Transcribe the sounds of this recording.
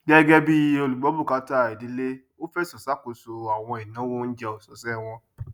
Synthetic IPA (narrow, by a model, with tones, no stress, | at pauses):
ɡɛ˦ɡɛ˦bi˦o˧lu˨ɡ͡bɔ˨˦bu˦˨ka˨˧˦ta˦˨i˨di˨˦le˦ | o˦fɛ˦sɔ˨sa˦ko˨so˨a˨w̃ɔ̃˧i˨nã˨˦wo˦n̩˦d͡ʒɛ˧o˨sɔ˨sɛ˦˨w̃ɔ̃˧